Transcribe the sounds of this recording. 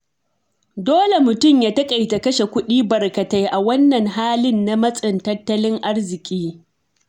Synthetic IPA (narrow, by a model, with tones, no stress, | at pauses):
doː˦le˨mʊ˨tʊ˦˨mjaː˦tɐ˦kʼa˨jta˨kɐ˦ʃe˨kʷʊ˦ɗiː˦bɐ˨rkɐ˨ta˦jʔa˨wɐ˦nːɐ˨ŋɦaː˦lɪ˦nːa˦mɐ˦sʼɪ˨ntɐ˦tːɐ˦lɪ˦ŋʔa˦rzɪ˨kʲʼiː˦